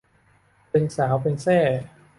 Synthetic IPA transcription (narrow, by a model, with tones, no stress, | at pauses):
pe˧nsaː˩˦wpe˧nsɛː˥˩